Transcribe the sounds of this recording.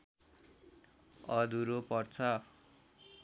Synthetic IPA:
ʌd̪uɾopʌrt͡sʰʌ

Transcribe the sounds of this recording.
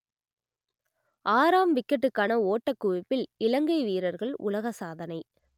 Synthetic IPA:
ʔaːɾaːmʋɪkːɐʈːɯkːaːnɐoːʈːɐkːʊʋɪpːɪlɪlɐŋɡɐɪʋiːɾɐɾɣɐɭʊ̰lɐɣɐsaːðɐnɐɪ

